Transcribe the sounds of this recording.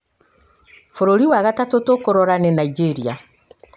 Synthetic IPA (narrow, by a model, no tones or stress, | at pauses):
foɾoɾiwaɣatatotokoɾɔɾanenaid͡ʒeɾia